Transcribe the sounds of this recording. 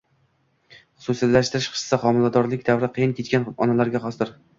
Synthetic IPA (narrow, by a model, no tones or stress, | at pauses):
χʊsusijat̪laʃt̪ɪɾɪʃqʰɨ̥ʃsaqɒmɪlad̪ɒɾlɪkʲd̪avɾɪqʰɨjɪnkʲʰet̪kʲanɒnalaɾɡʲaχɒsd̪ɪɾ